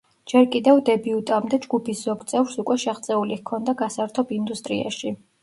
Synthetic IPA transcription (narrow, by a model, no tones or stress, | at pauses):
d͡ʒɛɾkʼid̪ɛvd̪ɛbiut̪ʼamd̪ɛd͡ʒɡupʰisz̥ɔɡt̪sʼɛvɾsukʼwɛʃɛχt̪sʼɛulikʰɔnd̪aɡasaɾt̪ʰɔbind̪ust̪ʼɾḭa̰ʃi